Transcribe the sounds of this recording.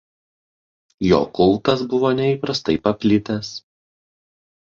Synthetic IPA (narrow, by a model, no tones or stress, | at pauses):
jo̰ːkʊlˠˑt̪ɐsbʊʋoːnʲɛiːˑpɾɐst̪ɐɪpɐpʲlʲɪt̪ʲɛs